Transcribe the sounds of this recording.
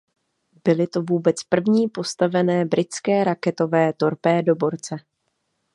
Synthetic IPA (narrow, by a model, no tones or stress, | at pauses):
b̥ɪlɪt̪o̞vuːbɛt͡spr̩vɲiːpo̞st̪avɛnɛːbɾɪt͡skɛːɾakɛt̪o̞vɛːt̪o̞ɾpɛːdo̞bo̞ɾt͡sɛ